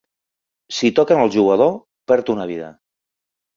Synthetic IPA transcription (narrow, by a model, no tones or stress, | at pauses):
sit̪ɔkənəlˠʒuɣəð̞o | pɛɾt̪unaβ̞iðə̰